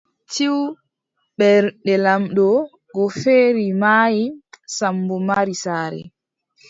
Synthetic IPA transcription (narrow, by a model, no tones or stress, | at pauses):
t͡ʃiw | ɓɛɾɗɛlamɗɔ | ɡɔfeːɾimajisambɔmaɾisaːɾɛ̰